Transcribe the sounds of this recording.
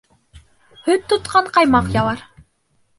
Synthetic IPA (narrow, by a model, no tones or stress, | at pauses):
hɵt̪ːot̪qɑɴqɑjmɑqjɑlˠɑɾ